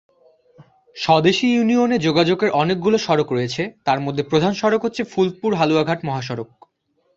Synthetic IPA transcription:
ʃɔd̪eʃijunioned͡ʑoɡad͡ʑokeɾʔɔnek̚ɡuloʃɔɾokɾojet͡ɕʰet̪aɾmod̪ʱːepɾod̪ʱanʃɔɾokɦotːɕʰefulpuɾɦaluaɡʱaʈmɔɦaʃ̬ɔɾok̚

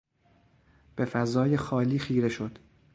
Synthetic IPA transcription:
b̥e̞fæzɒːje̞xɒːliːxiːɾe̞ʃo̞d̪̥

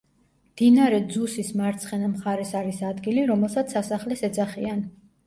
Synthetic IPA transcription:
md̪̥inaɾɛd̪zusismaɾt̪sʰχɛnamχaɾɛsaɾisad̪ɡiliɾɔmɛlˠsat̪sʰasaχlɛsɛd̪zaχian

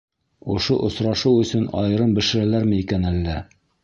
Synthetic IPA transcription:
ŏʃoʔŏsɾɑʃɤwɵ̆sɵnɑ̰jɤ̆ɾɤmbɘ̆ʃɘ̆ɾælæɾmɘikænælːæ

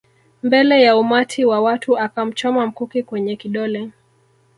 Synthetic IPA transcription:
mbɛlɛjaumatʰiwawatʰuakam̩t͡ʃɔmam̩kukikwɛɲɛkiɗɔlɛ

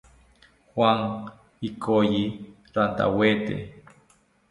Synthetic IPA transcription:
hwaŋ | ikʰoji | ɾant̪a̰wet̪ḛ

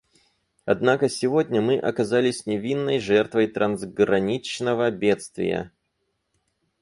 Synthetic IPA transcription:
ɐd̪nakəsʲɪvo̞dʲnʲəmɨʔɐkɐzalʲɪsʲnʲɪvʲinːəjʐɛrt̪vəjt̪ɾʔɐnzɡɾɐnʲit͡ɕnəvəbʲe̞t̪st̪vʲɪ̰jə̰

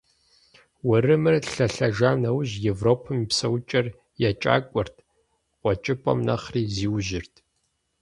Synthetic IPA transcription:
wɐrɨmɨrɬɐɬɐʒaːnɐwʑjevroːpʰɨmipsɐwt͡ʃʼɐr | jat͡ʃʼa̰ːkʷʼɔrtʰ | qʷɔt͡ʃʼɪpʼɐ̰mnɐ̰χriːziːwʒɪrtʰ

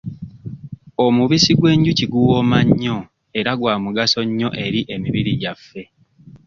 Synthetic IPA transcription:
omuβisiɡwe̞ːɲɟuciɡuwoːmaɲːo̞ | e̞ɾaɡwaːmuɡaso̞ɲːo̞ʔe̞ɾiʔe̞miβiɾiɟafːe̞

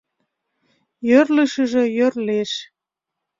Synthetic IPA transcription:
jørləʃəʒĕjørleʃ

